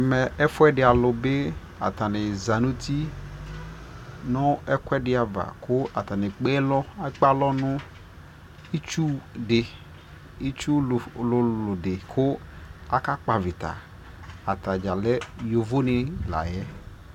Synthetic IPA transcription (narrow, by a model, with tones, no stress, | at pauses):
mɛ˨ɛ˦fʊ˦ɛ˦ɖɪ˨a˨lʊ˨be˦ | a̰˨t̪a˨nɪ˨za˨nũ˦t̪ʰi˦ | nʊ̃˦ɛ˦kwɛ˦ɖɪ˦a˨va̰˨kʰʊ˦a˨t̪a˨nɪ̃˨k͡pe˦lɔ˦a˦k͡pa˦lɔ˦nʊ̃˦ | i˦t͡ʃu˦ɖɪ˨ | i˦t͡ʃu˦˨lʊ˨lʊ˨dɪ˨kʰʊ˦a˦˨ka˦k͡pa˨vɪ˨t̪a̰˨ | a˨t̪a˨d͡ʒa˨lɛ˦jo˨vo˦nɪ̃˨la̰˨jɛ˦